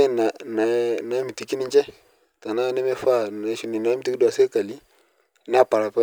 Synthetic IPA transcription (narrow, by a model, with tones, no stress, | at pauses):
e˦na˨na˨na˨˦mi˨ti˨ki˦ni˦d͡ʒɛ˦ | ta˨na˦nɛ˦me˦fa˦˨na˨˦ʃi˨ni˨na˨˦mi˦ti˦ki˦dwa˨se˦ka˨li˦ | na˦pa˨ɾa˨pɛ˦